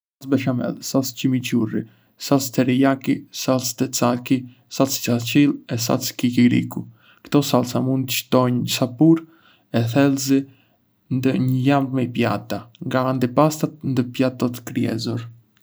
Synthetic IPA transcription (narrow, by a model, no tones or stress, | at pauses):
sat͡sbɛʃamɛ̰lsalscimit͡ʃurḭ | salst̪ɛɾijakisalst̪ɛt͡saki | salst͡sat͡ʃilˠɛs̬a̰t͡skikiɾḭku | kt̪ɔsalˠsamund̪əʃt̪ɔɲsapuɾ | ɛθɛlzi | nd̪əɲəjamvmɛpja̰t̪aŋɡaːnd̪ipast̪at̪̚nd̪əpjat̪ɔt̪kɾiɛ̰zɔɾ